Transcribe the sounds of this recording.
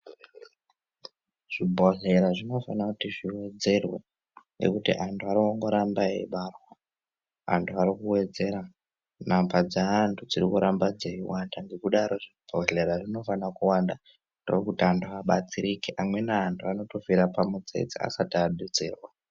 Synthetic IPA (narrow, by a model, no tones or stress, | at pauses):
ʐ̥ibʱo̞ɮe̞ɾaʐino̞fanakutiʐiwe̞d͡ze̞rwe | ŋɡḛkutḭʔantʰuaɾooŋɡo̞ɾambaḛɓarwa | a̰ntʰuaɾikuwe̞d͡ze̞ɾa | nambad͡zaːntʰud͡ziɾikuɾambad͡zeiwandaŋɡe̞kuɗaɾo̞ʐib̥ʱo̞ɮe̞ɾaʐino̞fanakuwanda | ndo̰rkutiantʰuaɓat͡siɾikiʔamwe̞naːntʰuano̞to̞fiɾapamud͡zḛd͡zḭa̰sataɗud͡zḛːrwa